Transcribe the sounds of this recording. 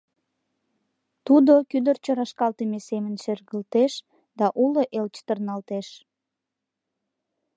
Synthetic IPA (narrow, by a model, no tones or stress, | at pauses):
t̪ud̪okyd̪ərt͡ɕəɾɑʃkɑlt̪əmesemənʃerɣəlt̪eʃ | d̪ɑʔuloʔelt͡ɕt̪ərnɑlt̪eʃ